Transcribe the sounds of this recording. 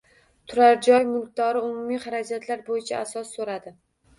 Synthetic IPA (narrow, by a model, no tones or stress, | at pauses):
t̪ʰʊɾaɾd͡ʒɒjmʊlˠk̚d̪ɒɾɪʊmumiχaɾad͡ʒat̪ʰlaɾbojɪt͡ʃʰaasɒsːoɾad̪ɪ